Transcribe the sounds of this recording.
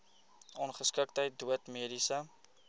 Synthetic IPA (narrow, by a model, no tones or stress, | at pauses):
ʔɔnχəskək̚təjt̚duətmiəɾisə